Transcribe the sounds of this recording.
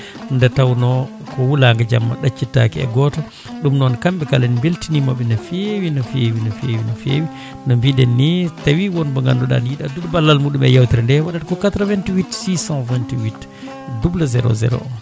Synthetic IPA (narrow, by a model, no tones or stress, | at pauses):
ndatawnɔ | kɔwulaŋɡad͡ʒamːa̰ɗat͡ʃːitakiɛ̰ɡɔtɔ | ɗumnɔnkambɛkalanimbiltinimaɓɛnafewinɔfewinɔfewinɔfḛwi | nɔmbidɛnːitawiwɔnbɔŋɡa̰ndɔɗa̰niɗadudbalːalmuɗumɛ̰jawtiɾndɛwaɗatkɔkat̪ɾavɛntiwitsisãvɛntiwit | dublazɛɾo̰zɛ̰ɾo̰